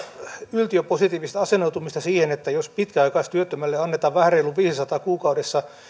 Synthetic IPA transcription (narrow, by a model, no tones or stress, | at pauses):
ylt̪iøposit̪iːʋist̪æɑsenout̪umist̪ɑsiːhenet̪ːæjospit̪kæɑikɑist̪yøt̪ːømælːeɑnːet̪ɑʋʋæhæreilːuʋiːsisɑt̪ɑːkuːkɑudesːɑ